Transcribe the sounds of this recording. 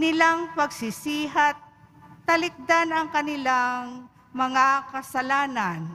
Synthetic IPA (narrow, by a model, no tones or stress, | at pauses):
nɪlaŋpɐɡsɪsiːɦat̪̚ːɐlɪk̚d̪anɐŋkɐnɪlaŋ | mɐŋakɐsɐlaːnan